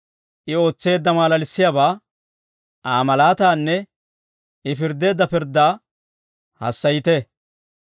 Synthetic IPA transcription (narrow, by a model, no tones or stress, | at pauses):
ʔɪo̞ːt͡sːe̞ːd̪ːɐmaːlɐlɪsːɪjaːbaː | aːmɐlaːt̪aːnːɛ | ɪfɪɾd̪e̞ːd̪ːɐpɪɾd̪ːaː | hɐ̰sːɐjɪt̪ɛ